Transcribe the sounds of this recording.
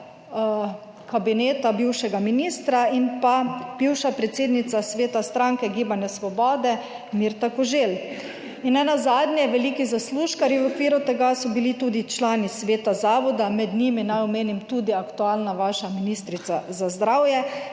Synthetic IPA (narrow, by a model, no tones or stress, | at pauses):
kabineːt̪abiwʃɛɡaminist̪ɾainpab̥iwʃapɾɛt̪seːd̪nit̪sasʋeːt̪ast̪ɾaŋkɛɡiːbanjɛsʋɔbɔːd̪ɛ | miːɾt̪akɔʒel | inɛnazad̪njɛʋɛliːkizasluːʃkaɾiʋɔkʋiːɾut̪ɛɡasɔbilit̪uːd̪it͡ʃlaːnisʋeːt̪azaːʋɔd̪amɛd̪niminajɔmeːnimt̪uːd̪iakt̪uaːlnaʋaʃaminist̪ɾit̪sazazd̪ɾawjɛ